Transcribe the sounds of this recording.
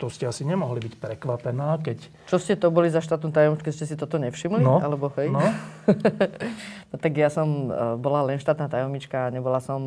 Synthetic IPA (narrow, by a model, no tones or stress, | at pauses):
t̪ɔscɛasiɲɛmɔɦlibicpɾɛkʋapɛnaːkɛc | t͡ʃɔscɛt̪ɔbɔlizaʃt̪aːt̪nuːt̪ajɔmt͡ʃkɛscɛsit̪ɔt̪ɔɲɛfʃimlinɔa̰lɛbɔhɛjnɔ | ɔt̪aɡjasɔmbɔlalɛnʃt̪aːt̪naːt̪ajɔmɲit͡ʃkaːɲɛbɔlasɔm